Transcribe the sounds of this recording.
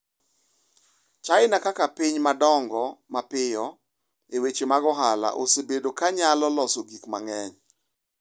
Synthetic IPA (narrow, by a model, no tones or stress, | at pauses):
t͡ʃaɪnakakapiɲmadɔŋɡɔmapɪjɔ | ewet͡ʃemaɡɔɦala̰ʔo̰sebedokaɲalɔlɔsoɡikma̰ŋɛɲ